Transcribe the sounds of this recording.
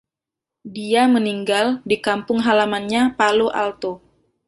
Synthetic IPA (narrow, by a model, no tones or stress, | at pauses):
diaməniŋɡaldikampʊŋɦalamanɲapaluʔa̰lt̪o